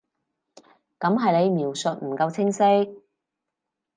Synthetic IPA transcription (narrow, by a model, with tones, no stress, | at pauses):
kɐ˨˥mɦɐ˨jle˨˧jmiː˨˩wsɵ˨t̚m̩˨˩kɐ˧wt͡sʰɪ˥ŋsɪ˥k̚